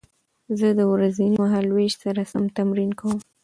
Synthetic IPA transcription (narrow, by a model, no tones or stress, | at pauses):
zəd̪əwɾazinimaɦalweʃsaɾasamt̪amɾinkawəm